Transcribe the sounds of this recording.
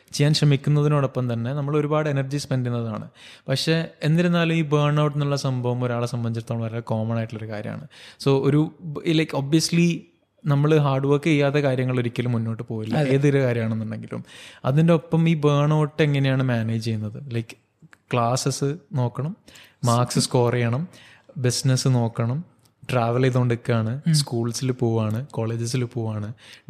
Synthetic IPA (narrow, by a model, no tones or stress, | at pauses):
t͡ɕejːaːnɕrɐmikʲːunːɐðinoːɽopːɐmt̪ɐnːe̞nɐmːɐɭo̞ɾubaːɽɨenɐrd͡ʑispendunːɐða̰ːɳɨ̰pɐkʂe̞enːiɾenːaːlumiːbeːɳɐwʈːɨnuɭːɐsɐmbʱɐʋɐmoɾaːɭesɐmbɐɲd͡ʑiɾt̪oaːɭɐmʋɐɾaːɭko̞ːmɐnaːjiʈːulo̞ɾukaːɾjɐ̰m̰a̰ːɳɨso̞ːoɾulɐjkoːbijɐsli | nɐmːɐɭɦaːrɖuʋɐːkːɨejːaːt̪ːekaːɾjɐŋːɐɭoɾikʲːɐlumːunːo̞ːʈːɨpo̞ːjilːɐe̞ːðoɾukaːɾjɐmaːɳenːuɳɖe̞ŋɡilṵmɐ̰ðinde̞opːɐmiːbeːɳo̞ːʈːeŋːɐne̞jaːɳɨmaːne̞ːd͡ʑt͡ɕe̞junːɐðɨlɐjkːɨ̥ | kɭaːsɐsɨno̞ːkːɐɳɐmmaːksɨskoːrejɐɳɐm | bisnɐsɨno̞ːkːɐɳɐm | ʈraːʋɐleðoːɳɖikːaːɳɨskuːɭsilpoːʋaːɳɨko̞ːɭe̞ːd͡ʑɐs̬ilpoːʋaːɳɨ